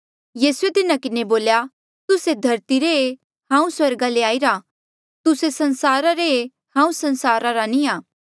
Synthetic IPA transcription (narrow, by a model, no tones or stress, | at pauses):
jiːsuet̪ɪnakɪneboːlja | t̪ʊsed̪ʱɐɾt̪iɾee | hãːũswɐɾɡaleaːiɾa | t̪ʊsesɐ̃nsaːɾaɾee | hãːũsɐ̃nsaːɾaɾanĩaː